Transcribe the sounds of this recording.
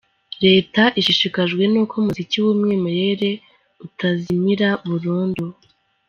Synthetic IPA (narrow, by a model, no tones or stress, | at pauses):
ɾe̞ːtaʔiʃiʃikaʒɡwe̞nuːkomuziciwuːmŋe̞ːme̞ɾe̞ɾe̞ | utazimiɾaβuɾuːndu